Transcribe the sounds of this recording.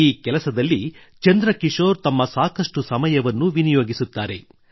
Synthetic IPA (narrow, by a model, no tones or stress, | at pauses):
iːkɛlɐsɐd̪ɐlːi | t͡ʃɐnd̪ɾɐkiʂoːɾt̪ɐmːɐsaːkɐʂʈusɐmɐjɐʋɐnːuʋinijoːɡisut̪ːaːɾe̞̰